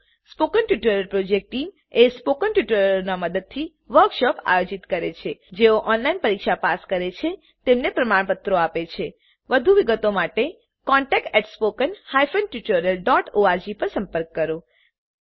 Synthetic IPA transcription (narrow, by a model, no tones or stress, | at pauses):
spokənʈjuʈəɾəlpɾod͡ʒek̚ʈʈim | espokənʈjuʈəɾəɾnaməd̪əd̪̚t̪ʰi | ʋəɾkʃɔpa̰jod͡ʒit̪kəɾet͡ʃʰed͡ʒeoʔɔnlainpəɾikʃapaskəɾet͡ʃʰe | t̪emnepɾəmaɳpət̪ɾoapet͡ʃʰe | ʋəd̪ʱuʋiɡət̪omaʈe | kɔɳʈɛk̚ʈɛʈspokənhajfənʈjuʈəɾəlɖɔʈoaɾd͡ʒipəɾsə̃mpəɾkːəɾo